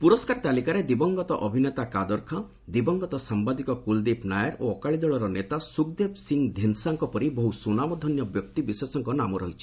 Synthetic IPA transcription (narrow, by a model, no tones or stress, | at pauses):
puɾɔskaɾt̪alikaɾed̪ibɔŋɡɔt̪ɔʔɔbʱinet̪akad̪ɔɾkʰɔ | d̪ibɔŋɡɔt̪ɔsambad̪ikɔkuld̪ipnajɔɾoɔkaɭid͡ʒ̪ɔɭɔɾɔnet̪asukd̪ebsiŋd̪ʱensaŋkɔpɔɾibɔɦusunamɔd̪ʱɔnjɔbjɔk̚t̪ibisesɔŋkɔnamɔɾɔɦit͡ʃʰi̥